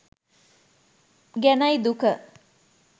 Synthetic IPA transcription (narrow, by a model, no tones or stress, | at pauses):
ɡænɐjd̪ukə